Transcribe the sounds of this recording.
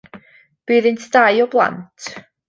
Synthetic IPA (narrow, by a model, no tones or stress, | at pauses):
b̥iːðɪntʰd̥ajɔblˠa̰ntʰ